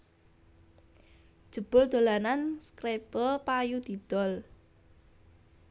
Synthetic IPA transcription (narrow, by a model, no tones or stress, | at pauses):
d̥ʒ̥ə̤b̥ʊ̤ld̪̥olananskɾepəpajud̪̥i̤d̪̥ɔ̤l